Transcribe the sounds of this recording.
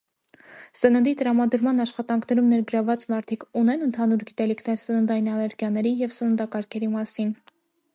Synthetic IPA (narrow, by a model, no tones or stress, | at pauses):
sənənd̪it̪əɾɑmɑd̪əɾmɑnɑʃχɑt̪ɑŋkʰnɛɾumnɛɾɡəɾɑvɑt͡smɑɾt̪ʰikʰunɛnənt̪ʰɑnuɾɡit̪ɛlikʰnɛɾsənənd̪ɑjinɑlɛɾɡjɑnɛɾijɛvsənənd̪ɑkɑɾkʰɛɾimɑsin